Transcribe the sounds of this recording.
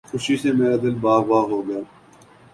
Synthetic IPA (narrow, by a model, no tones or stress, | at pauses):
xʊʃiːsemeːɾaːd̪ɪlbaːbaːɦoːɡɪjaː